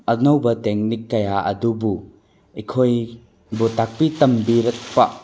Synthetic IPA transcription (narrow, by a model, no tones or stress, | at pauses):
ɐnɐwbɐteŋnikːɐjaɐ̰dubu | ikʰoj | butak̚pitɐmbiɾɐk̚pɐ̰